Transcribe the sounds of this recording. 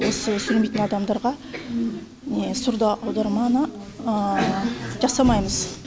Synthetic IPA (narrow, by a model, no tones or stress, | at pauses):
wo̞səsɵlmet̪ɪnɑd̪ɑmd̪ɑɾʁɑ | nesʊɾd̪ɑʔɑwd̪ɑɾmɑnəə | ʒɑsɑmɑjməz